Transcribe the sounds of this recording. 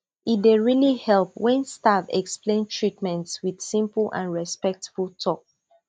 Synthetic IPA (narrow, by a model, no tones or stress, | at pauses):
it̚deɹilihɛlˠp̚wɛ̃nstavɛ̰ksplẽntʰɹitmɛ̃ntswið̥sĩmpəl̩ˠʔã̰nɹɛspɛk̚tfulˠtʰɔk̚